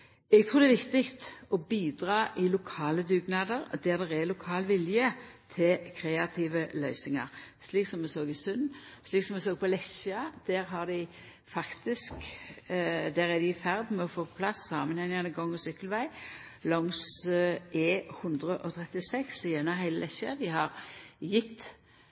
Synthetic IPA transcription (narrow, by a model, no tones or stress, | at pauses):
ɛɡt̪ʰʁuːɾd̪ɛʋɪkt̪ɪkt̪ɔbiːd̪ʁɑːʔɪlʊkʰɑːləd̪ʉːɡnɑːd̪əɾd̪æːʁd̪ɛʁɛlʊkʰɑːlʋɪljət̪ʰɪlkʰɾeːɑt̪ʰiːʋəlœʏsɪŋɑ̰ʁsliːksɔmːɛsoːɡɪsʉnːsliːksɔmɛs̬oːɡəpʰɔlɛsəɑd̪̥æːʁɦɑʁd̪ɪɪ | fɑkt̪ɪsk | d̪æːʁɛæd̪ɪɪfæʁd̪mɛɔfoːpʰɔpʰlɑsːɑːmənhɛnɪŋɑnəɡɔŋːɔsʏkːəlʋæɪ | lɔŋs | eːhʉnd̪ʁəʔɔt̪ʰʁɛt̪ɪsɛkslijɛnɑɦæɪləlʔɛçəd̪ɪhɑʁjɪt̪ː